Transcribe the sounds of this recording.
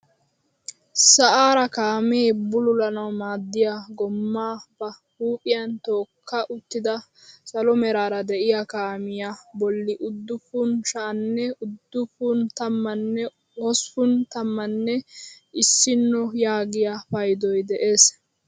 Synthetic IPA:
sɐʔaːɾɐkaːmeːbʊlʊlɐnɐwmaːd̪ːɪjaɡɔmːaːb̥ɐ | huːpʼɪjɐnt̪o̞ːkʰːɐʔʊt̪ːɪd̪ɐ | sɐlɔmɛɾaːɾɐd̪ɛʔɪjakaːmɪjabɔlːɪʔʊd̪ːʊpʊnʃaːnːɛʊd̪ːʊpʊnt̪ɐmːɐnːɛ | ɔsʊnt̪ɐmːɐnːɛʔɪsːɪnːɔjaːɡɪjapɐjd̪ɔjd̪ɛʔe̞ːs

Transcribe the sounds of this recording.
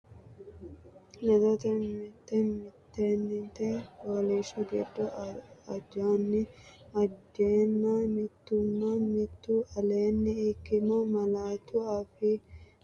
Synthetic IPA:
nɛd̪ɔt̪ɛmɪt̪ːɛmɪt̪ːeːnːɪnt̪ɛboːliʃɔɡɛdːʊɐd͡ʒaːnːɪɐd͡ʒeːnːɐmɪt̪ːʊnːɐmɪt̪ːuɐleːnːɪɪkːɪmɔmɐlaːt̪ʊɐfɪ

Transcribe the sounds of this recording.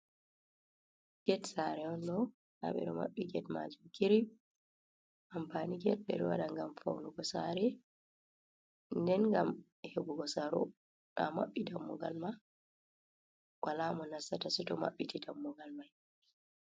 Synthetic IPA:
ɡ̥ɛtsaɾɛɔnɗɔ | ʔa̰ɓɛ̰ɗɔma̰ɓːiɡɛtma̰d͡ʒumkʰiɾi | ʔampaniɡɛt̚ɓɛ̰ɾwa̰ɗaŋɡamfa̰wnuɡɔsaɾɛ | ndɛnŋɡam | hebuɡɔsaɾɔ̰ | ʔama̰ɓːidamːɔɡa̰lma | walamɔnasːatasitɔma̰ɓːitidamːɔɡalmaj

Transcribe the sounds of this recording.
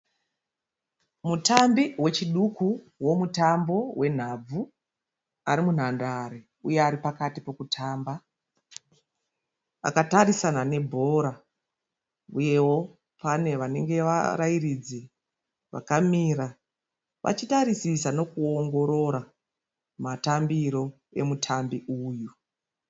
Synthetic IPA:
mutambiwe̞t͡ʃiɗuku | wo̞mutambo̞we̞n̤ab͡vu | aɾimun̤andaɾi | ujeaɾipakatipo̞kutʰaːmba | a̰katarisanane̞bʱo̞ɾa | uje̞wo̞ | pane̞ʋane̞ŋɡe̞ʋa̰ɾairid͡ze | ʋa̰kamiːɾa | ʋʔa̰t͡ʃitaɾisisano̞kuo̞ŋɡo̞ɾo̞ɾa | matambiɾo̞ | e̞̰mutʰambiʔuːju

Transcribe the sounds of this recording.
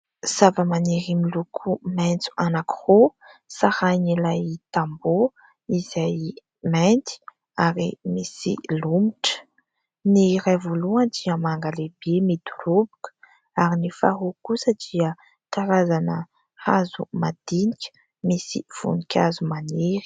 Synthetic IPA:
z̥avəmaneɾimilukʰumɛnt͡su̥anaku̥ho | sahajnilajt̪ambo | iz̥aj | ment̪i̥ | aɾimisḭlumiʈ͡ʂə̥ | niɾajvoluand̪iəmaŋɡalebemid̪urubu̥kə̥ | aɾinifa̰ɦukusəd̪iə | tk̪aɾazanə | hazṵmad̪̥inikʲə̥ | misḭv̥ṵnikʰʲazumaneɾi̥

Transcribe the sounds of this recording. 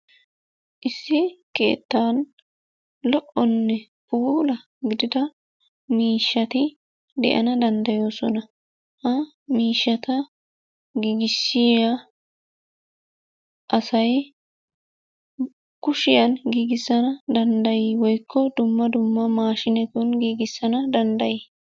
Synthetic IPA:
ʔɪsːɪke̞̰ːt̪ːaːn | lɔʔɔnːɛ | puːlɐ | ɡɪd̪ɪd̪ɐ | miːʃːɐt̪ɪ | d̪ɛ̰ʔɐ̰nɐd̪ɐnd̪ɐjo̞ːsɔnɐ | hɐ | miːʃːɐt̪ɐ | ɡiːɡɪsːɪa | ʔɐsɐj | kʊʃɪjɐnɡiːɡɪsːɐnɐd̪ɐnd̪ɐjɪwɔjkʰːɔd̪ʊmːɐd̪ʊmːɐmaːʃɪnɛt̪ɔnɡiːɡɪsːɐnɐd̪ɐnd̪ɐjiː

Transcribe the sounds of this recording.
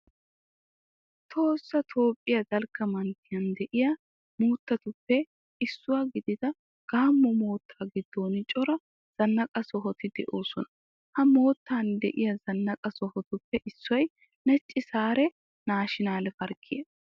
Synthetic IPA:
t̪ʰo̞ːsːɐt̪ʰo̞ːpʼːɪjɐd̪ɐlkːɐmɐnt̪ːɪjɐnd̪ɛʔɪja | muːt̪ːɐt̪ʊpːɛ | ɪsːʊwaɡɪd̪ɪd̪ɐ | ɡ̥aːmːɔmo̞ːt̪ʰːaːɡɪd̪ːo̞ːnɪt͡ʃʼɔɾɐ | z̥ɐnːɐkʼɐsɔɦɔt̪ɪd̪ɛʔoːsɔnɐ̥ | hɐmo̞ːt̪ːaːnd̪ɛ̰ʔɪjɐzɐnːɐkʼɐsɔhɔt̪ʊpːɛʔɪsːɔj | nɛt͡ʃʼːɪsaːɾɛ | naːʃɪnaːlɛfɐɾkʰːɪje

